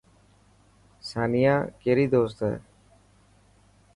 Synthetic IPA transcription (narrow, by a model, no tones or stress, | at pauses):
saːnɪjãːkeːɾiːd̪oːst̪ɦɛ̰ː